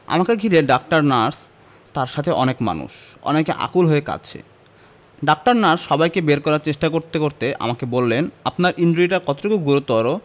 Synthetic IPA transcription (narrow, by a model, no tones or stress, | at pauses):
a̰makeɡʱiɾeɖak̚ʈaɾnaɾs | t̪aɾʃat̪ʰeʔɔnekma̰nṵʃɔ̰nekeʔa̰kulɦoeka̰t͡ɕʰḛ | ɖak̚ʈaɾnaɾsʃɔbajkebeɾkɔɾaɾt͡ɕeʃʈakoɾt̪ekoɾt̪eʔa̰makebolːenapnaɾʔinɖoiʈaɾkɔt̪o̥ʈokuɡuɾot̪ɔɾo